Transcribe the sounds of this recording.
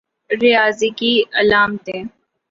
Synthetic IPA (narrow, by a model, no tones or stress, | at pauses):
ɾɪjaːzikiɐlaːmt̪ẽː